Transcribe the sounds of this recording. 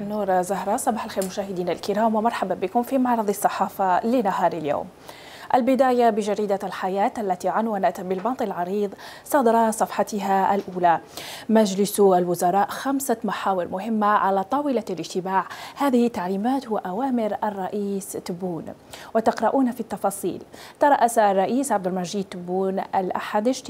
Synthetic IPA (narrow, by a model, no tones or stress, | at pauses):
nːuːɾzaɦɾˤɑsˤɑbɑːħalxeːɾmʊʃaːhɪd̪iːnalkɪɾaːmwɪmɑɾˤħabanbɪkʊmfimɑʕɾˤɑðˤɑsˤːɑħɑːfɑlɪnaɦɑːɾˤaljo̰ːm | ʔalbɪd̪aːjabɪʒaɾiːd̪alħajaːt̪ʔalːat̪iʕanwanat̪bɪlbɑnt̪ˤɪlʕɑɾiːðˤ | sˤɑd̪ɾˤɑsˤɑfħɑt̪ɪɦaʔlʔuːlamaʒlɪsalwʊzɑɾˤɑːʔxamsamaħaːwɪɾmʊɦɪmːaʕalat̪ˤɑwɪlalɪʒt̪ɪmaːʕhaːðɪhɪt̪ːaʕliːmaːt̪hwaʔawaːmɪɾʔarˤːɑʔiːst̪ːʊbuːn | wɪt̪ɑqɾɑʔuːnafit̪ːɑfɑːsˤḭːlt̪ɑɾˤɑʔasarˤːɑʔiːsʕabd̪ɪlmaʒiːd̪̚t̪ːʊbːuːnʔalʔa̰ħad̪ɪʒt̪